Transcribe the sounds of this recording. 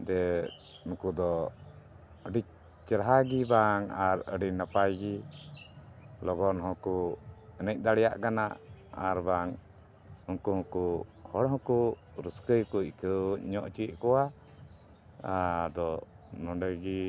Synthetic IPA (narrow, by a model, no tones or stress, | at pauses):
d̪ɛ | unkud̪ɔ | əɖi | t͡ʃəɾɦaɡibaŋaɾə̰ɖinapajɡi | lɔɡɔnɦɔ̃kuɛnɛc̚ˀd̪aɽɛjaʔkana̰ʔa̰ɾbaŋ | unkuhɔ̃kuhɔɽɦɔ̃ku | ɾəskəjkukʰəɲɔʔt͡ʃiʔkɔwa | d̪ɔ | nɔɳɖəɡi